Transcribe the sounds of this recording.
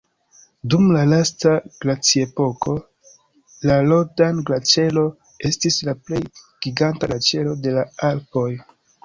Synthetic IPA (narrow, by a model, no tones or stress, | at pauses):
dumlalastaɡ̥lat͡siepo̞ko̞ | lalodanɡlat͡ʃe̞lo̞ | e̞stislaple̞jɡ̥iɡantaɡat͡ʃe̞lo̞de̞laalpo̞j